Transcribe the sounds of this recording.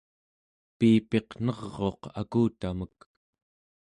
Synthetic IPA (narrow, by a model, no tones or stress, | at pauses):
piːpe̞qn̥ʌʁːo̞qa̰kuːt̪amək